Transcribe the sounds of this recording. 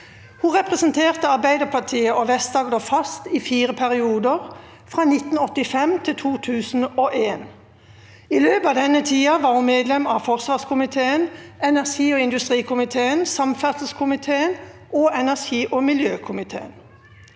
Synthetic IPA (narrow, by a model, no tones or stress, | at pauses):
huːʁɛpʁɛsnt̪ʰeːʁt̪əɑʁbæɪd̪əʁpʰɑʁt̪ʰiːəʔɔʋɛst̪d̪ɑːɡd̪oːfɑst̪iːfiːʁəpʰæʁɪuːd̪əʁ | fʁɑːnɪt̪n̩ɔt̪ːɪfɛmt̪ʰɪlt̪ʰuːt̪ʰʉːsn̩oʔeːn | iløːpɑːʋd̪ɛnət̪ʰiːɑʋɑːʁhʊmeːd̪lɛmɑːfɔʁsʋɑːskʰʊmɪt̪ʰeːənɛnæʁʃiːɔːɪnd̪ʉst̪ʁiːkʊmɪt̪ʰeːənsɑmfæʁsəskʰʊmɪt̪ʰeːənʔoːɛnæʁʃiːʔoːmɪljøːkʰʊmɪt̪ʰḛːə̰n